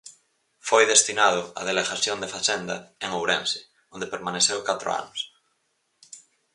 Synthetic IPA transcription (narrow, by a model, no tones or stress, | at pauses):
fojðest̪inað̞oa̰ðeleɣaθjond̪efasend̪aeŋowɾẽnse̥ | õnd̪epeɾmaneθewkat̪ɾo̰a̰nos